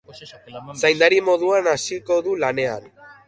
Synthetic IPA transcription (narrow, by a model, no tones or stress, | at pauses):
sajnd̪aɾimo̞ðuanasiko̞ðulane̞a̰n